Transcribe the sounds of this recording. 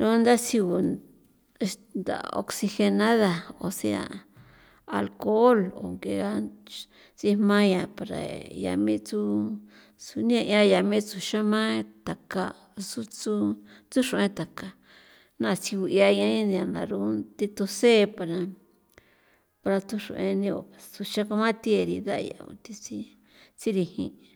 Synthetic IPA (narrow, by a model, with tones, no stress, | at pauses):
ɾũ˦nd̪a˦si˧u˧ | nd̪a̰˨o̰˧ksi˧xe˧nã˦ða˨o̰˧se˧a̰˧˨ | a̰˧lko˦lo̰˨ŋɡe˧ɣa˦ | t͡si˦mã˦jã˧˨pa˨ɾa̰˨ja̰˧mĩ˦t͡su˦ | su˧nĩ˦ã˧ʔã˦˧ja˧˨mĩ˦t͡su˧ʃã˦mã˦t̪a˨ka˧ | su˦t͡su˦ | t͡su˦ʂõ˧ẽ˦t̪a˨ka˧ | nã˦˧t͡si˧u˧ja˧ã˦ĩ˦nĩ˧ã˧nã̰˨ɾu˦t̪i˧t̪o˧se˦˧pa˧ɾa˧ | pa˧ɾa˧t̪u˦ʂõ̰˧ʔẽ˧nĩ˧o̰˨pa˨t͡su˧ʃã˦ka˧mã˦t̪i˦e˧ɾi˧d̪a̰˦˧ja̰˨ṵ˧t̪i˧t͡si˦ | t͡si˦ɾi˧hḭ̃˧